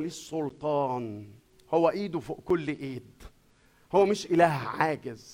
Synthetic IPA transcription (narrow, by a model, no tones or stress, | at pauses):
liːsˤːʊlt̪ˤɑːn | howːæʔiːd̪ufkolːʔiːd̪ | howːæmɪʃʔɪlæːhʕaːɡɪz